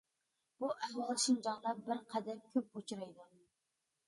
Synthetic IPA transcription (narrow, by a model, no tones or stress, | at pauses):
b̥uʔæhwɑlˠɨʃind͡ʒɑŋlˠɑbəɾqʰɛd̪ɛmkʲʰøp̚ut͡ʃʰuɾɑjd̪u